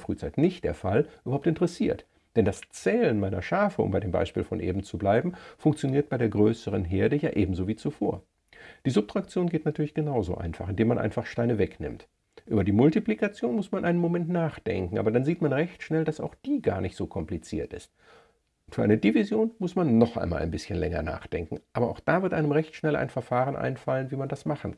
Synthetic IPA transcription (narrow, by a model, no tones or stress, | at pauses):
fʁ̥y̰ːt͡saɪtnɪçt̚d̥eːɐfa̰lʔyːbɐhaʊptɪntəʁəsiːɐt | d̥ɛndast͡sɛːlənmaɪnɐ̰ʃaːfəʊ̰mbaɪdeːmba̰ɪʃpiːlfɔnʔḛːbm̩t͡sublaɪbm̩fʊŋkt͡sjoniːɐt̚b̥aɪdeːɐɡʁøːsəʁ̞ənɦeːɐdəjaːʔeːbm̩zoːviːt͡sufoːɐ | d̥iːzʊp̚tʁ̥ak̚t͡sjoːnɡeːtnatʰyɐlɪçɡ̥ənaʊzo̰ːʔa̰ɪnfa̰χɪndeːmanʔa̰ɪnfaχʃtaɪnəvɛknɪ̰mt | ʔyːbɐdiːmʊltiplikat͡sjoːnmʊsmanʔaɪnənmomɛntnaːχd̥ɛ̰ŋkŋ̩ʔaːbɐdanziːtmanʁɛçtʃnɛldasa̰ʊxd̥iːɡa̰ːɐnɪçtz̥oːkʰɔmplit͡sḭːɐtɪ̰st̚ | ʔʊntfyːɐaɪnədivizjoːnmʊsmanːɔχʔa̰ɪnma̰lʔa̰ɪnbɪsçənlɛ̰ŋɐ̰na̰ːχd̥ɛ̰ŋkŋ̩ʔaːbɐʔaʊxd̥aːvɪɐtʔaɪnəmʁɛçtʃnɛla̰ɪnfɛɐfaːʁənʔa̰ɪnfalənviːmandasmaχn̩